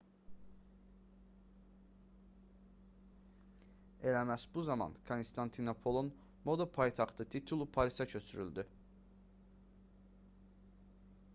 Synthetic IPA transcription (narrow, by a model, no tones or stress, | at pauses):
e̞læmæsbuzɑmɑ̰nkʰonst̪ʰɑnt̪ʰinopʰo̞lˠon | mo̞d̪opʰɑjt̪ʰɑχt̪ʰɯt̪ʰit̪ʰulˠupʰɑɾisɑcʰø̞t͡ʃʰyɾy̰ld̪y